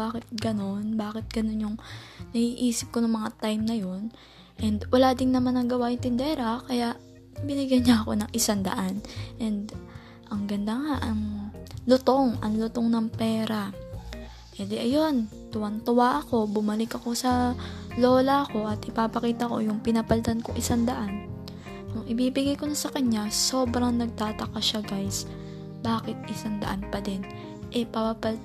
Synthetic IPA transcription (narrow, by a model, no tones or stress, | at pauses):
aːkɪt̪̚ɡɐno̞nbaːkɪt̪̚ɡ̥ɐno̞njʊŋnɐhiːʔiːsɪp̚ko̞nʊŋmɐŋat̪ajmnɐjo̞n | ʔɛnd̪wɐlaːd̪ɪŋnɐmanːɐŋɡɐwajʊŋt̪ɪnd̪ɛːɾɐkɐjaʔ | bɪnɪɡjɐjɲaʔɐko̞nɐŋʔɪsand̪ɐ̰ʔanʔɛnd̪ | ʔɐŋɡɐnd̪aŋaʔɐŋlʊt̪o̞ŋɐŋlʊt̪oŋnɐŋpɛːɾɐ | pɛːd̪ɪʔɐjo̞n | t̪ʊwant̪ʊwaʔɐko̞bʊmɐlɪkɐko̞sɐlo̞ːlɐɐko̞ʔɐt̪ʔɪpaːpɐkiːt̪ɐko̞̰jʊŋpɪnɐpɐlt̪ɐnkoŋʔɪsaŋd̪ɐʔan | ʔʊŋʔɪbiːbɪɡajko̞nɐsɐkɐɲaso̞ːbɾɐŋnɐɡ̚t̪aːt̪ɐkaʃaɡajs | baːkɪt̪̚ʔɪsaŋd̪ɐ̰ʔanpɐd̪ɛn | ʔɛpɐpapɐl